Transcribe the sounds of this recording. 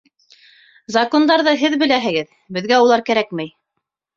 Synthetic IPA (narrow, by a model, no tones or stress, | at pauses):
zɐko̞nd̪ɑɾðɤɦɘðbɘ̆læɦɘ̆ɡɘð | bɘ̆ðɡæulˠɑɾkæɾækmæj